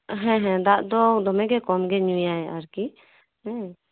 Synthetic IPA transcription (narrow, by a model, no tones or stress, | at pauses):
ɦɛ̃ɦɛ̃d̪aʔd̪ɔd̪ɔmɛ̃ɡɛkɔmɡɛɲujaɛʔaɾki | hɛ̃